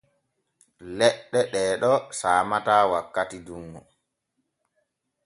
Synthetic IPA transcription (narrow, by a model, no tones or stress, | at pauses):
lɛɗːɛɗɛːɗɔsaːmataːwakːatidumːɔ